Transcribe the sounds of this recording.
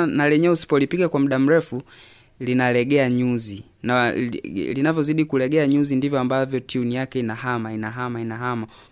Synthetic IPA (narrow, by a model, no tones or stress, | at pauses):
nalɛɲɛusi̥pɔlipiɡakwamuɗam̩ɾɛfu | linalɛɡɛaɲuzi | na | linavjɔziɗikulɛɡɛaɲuzindivjɔambavjɔtʰiunijakɛinahamainaɦamainaɦama